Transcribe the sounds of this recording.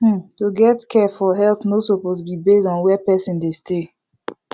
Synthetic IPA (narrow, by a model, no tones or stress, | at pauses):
tuɡɛtkʰɛfɔɦɛlθnosopotbibesɔ̃nwɛpɛsɔ̃ndeste